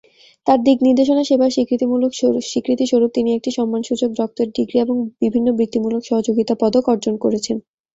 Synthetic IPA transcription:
t̪aɾd̪ikniɾd̪eʃonaʃebʱaɾʃikɾit̪imulokʃikɾit̪iʃoɾup̚t̪iniɛk̚ʈiʃɔmːanʃud͡ʑok̚d̪ɔk̚t̪oɾɖiɡɾieboŋb̥ibʱinːobɾit̪ːimulokʃɔɦod͡ʑoɡit̪apɔd̪okɔɾd͡ʑonkoɾet͡ɕʰen

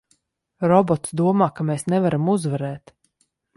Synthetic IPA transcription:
ɾɔbɔt̪sd̪uɔmaːkameːsnɛvaɾamuzvaɾɛːt̪

